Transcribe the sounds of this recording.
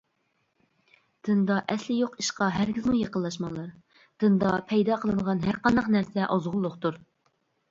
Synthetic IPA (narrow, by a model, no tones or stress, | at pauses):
d̪̥ɨnd̪ɑʔɛslɪjoqiʃqɑɦæɾɡʲizmujɑqəlːˠɑʃ̬mɑlˠɑɾ | d̪̥ɨnd̪ɑpʰɛjd̪ɑqʰəlˠɨnəʁɑnɦæɾqɑnd̪ɑqnæɾsɛʔɑzʁʊlˠːʊqt̪uɾ